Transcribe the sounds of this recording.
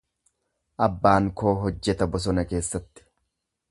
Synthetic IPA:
ʔɐbːaːŋko̞ːɦɔd͡ʒːɛt̪ɐbɔs̬ɔnɐke̞ːsːɐt̪ːɪ̥

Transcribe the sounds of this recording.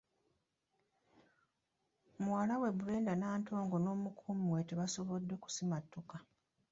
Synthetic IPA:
mwalawe̞βule̞ːndanaːnto̞ːŋɡo̞no̞ːmukʰumwe̞teβaso̞βodːe̞ku̥simatːoka

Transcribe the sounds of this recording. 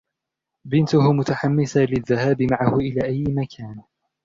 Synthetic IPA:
bɪnt̪ʊhʊmʊt̪aħamːɪsalɪðːahaːbɪmaʕahʊʔɪlaːʔajːɪmakʰaːn

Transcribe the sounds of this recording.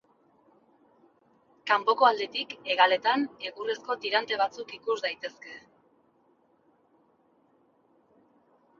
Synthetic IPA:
kampo̞ko̞ald̪et̪ike̞ɣale̞t̪ane̞ɣure̞sko̞t̪iɾant̪e̞β̞at͡sukikuzd̪ajt̪e̞ske̞

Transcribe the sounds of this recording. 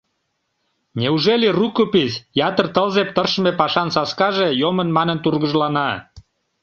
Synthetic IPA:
nʲeuʒelʲirukopisjɑt̪ərt̪əlzep̚t̪ərʃəmepɑʃɑnsɑskɑʒejomənmɑnənt̪urɣəʒlɑnɑ

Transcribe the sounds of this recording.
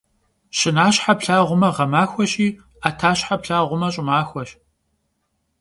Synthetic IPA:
ɕɪnaːɕħapɬaːʁʷʊmɐʁɐmaːxʷɔɕiː | aːtʰaːɕħapɬaːʁʷʊmɐɕʼɪmaːxʷɔɕ

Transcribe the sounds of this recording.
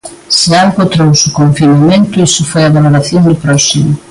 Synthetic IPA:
sɪalɣot̪ɾowsʊkoɱfinamẽnt̪ʊisʊfojaβaloɾaθjoŋd̪ʊpɾɔsimʊ

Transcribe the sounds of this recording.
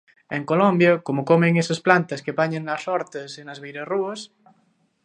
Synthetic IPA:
eŋkolombjɐkomokomẽŋesɐsplant̪ɐskepaɲeŋnɐsɔɾt̪esenazβejɾesruɐs

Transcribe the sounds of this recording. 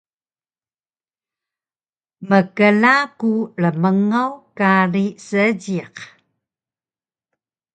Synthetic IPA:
məkəlakuɭəməŋawkaɾisəɟiq

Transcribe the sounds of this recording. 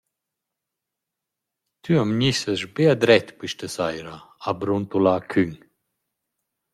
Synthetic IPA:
t̪yamɲisəʃbead̪ɾɛt̪piʃtəsajɾaabɾunt̪ulakʰyɲ

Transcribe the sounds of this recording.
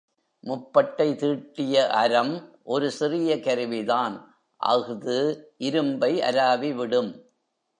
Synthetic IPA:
mʊpːɐʈːɐɪt̪iːʈːɪjɐʔɐɾɐmʔɔɾɯsɪrɪjɐkɐɾɯʋɪðaːn | ʔɐ̰ɣɯðɯʔɪɾɯmbɐɪʔɐ̰ɾaːʋiʋɪɽɯm

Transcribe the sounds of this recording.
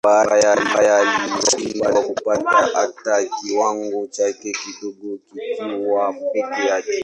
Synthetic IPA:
bajaajalioimbalakupataʔatːakiwaŋɡot͡ʃakekidoɡokikiwapekijaki

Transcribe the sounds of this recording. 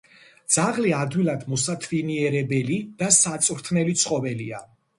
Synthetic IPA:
d̪z̥aʁliad̪wilˠad̪mɔsat̪ʰviniɛɾɛbɛlid̪̥asat̪sʼvɾt̪ʰnɛlit̪sʰχɔvɛlia

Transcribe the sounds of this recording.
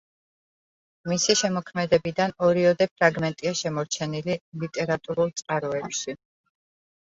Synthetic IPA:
misiʃɛmɔkʰmɛd̪ɛbid̪anɔɾiɔd̪ɛpʰɾaɡmɛnt̪ʼiaʃɛmɔɾt͡ʃʰɛnililit̪ʼɛɾat̪ʼuɾulˠt̪sʼqʼaɾɔɛpʃi

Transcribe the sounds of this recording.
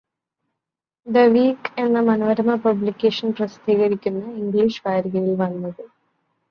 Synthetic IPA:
d̪ɐʋiːkenːɐmɐnoːʋɐɾɐmɐpɐblikʲːeːʂɐnprɐsi̥d̪ʱiːɣɐɾikʲːunːɐiŋɡliʂʋaːɾiɣɐjilʋɐnːɐðɨ

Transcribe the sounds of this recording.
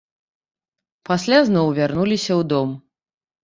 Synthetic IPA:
pasʲlʲaznɔwvʲarnulʲisʲɐwd̪ɔm

